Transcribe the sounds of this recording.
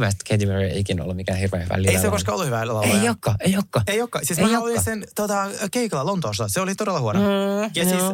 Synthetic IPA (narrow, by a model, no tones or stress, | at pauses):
ʋæst̪kʰed̪imeriḛikino̰lːumikæːhirʋḛːʋæ̰lieiekoskɑolːuhyʋælelːɑejokːɑejokːɑeijokːɑsiːsminɑolisent̪ot̪ɑkeiklɑlont̪oːst̪ɑseolit̪oɾelːɑhuonojɑsiːs